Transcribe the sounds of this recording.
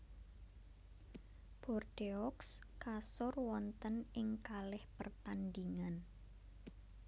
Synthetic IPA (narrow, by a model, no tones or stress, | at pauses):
b̥ɔrɖ̥eɔkskasɔrwɔnt̪ənɪŋkalɪhpərt̪and̪iŋan